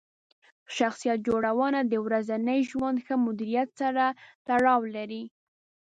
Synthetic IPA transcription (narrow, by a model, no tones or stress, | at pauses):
ʃaxsijat̪̚d͡ʒoɽawənad̪əwɾazanəjʒwand̪xəmʊd̪iɾijat̪saɾat̪aɽɑwlaɾi